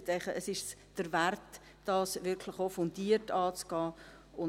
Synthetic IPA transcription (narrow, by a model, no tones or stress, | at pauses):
t̪ɛɪχəəsɪʃd̥əɾvært | d̥ɑːsʋɪɾkʰlɪχofʊnd̥iːəɾtɑːt͡sɡ̥ɑː | ʊ